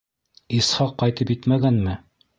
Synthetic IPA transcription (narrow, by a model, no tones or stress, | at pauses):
isχɑqːɑjt̪ɤpjɘt̪mæɡænmɘ